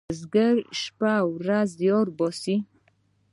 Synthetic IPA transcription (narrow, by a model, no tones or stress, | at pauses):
zɡəɾʃpawɾazjɔɾbɔsi